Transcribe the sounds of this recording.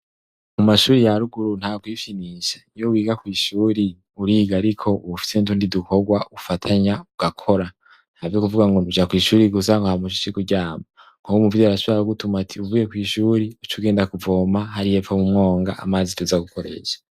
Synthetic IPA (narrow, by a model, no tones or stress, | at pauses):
mumaʃuːɾijaɾuɡuɾun̥haːɡɡwifiniːʃḁnijowiːɡakwiːʃuːɾi | uɾiːɡaɾikʰo̞uufi̥seuntuːndiduko̞ɡwaʔufatʰaɲauɡ̥akʰo̞ɾa | n̥havjokuvuɡaŋɡo̞nud͡ʒakwiːʃuːɾiɡus̬aŋɡohamuʃut͡ʃikuɟaːma | ŋkukumuvudiaɾaʃuβaɾuɡutumatʰiuvujekwiːʃuːɾiut͡ʃuɡe̞ːndakuvo̞ːmahaɾijefomumŋo̞ːŋɡaʔa̰maːzituzaɡukoɾḛʃḁ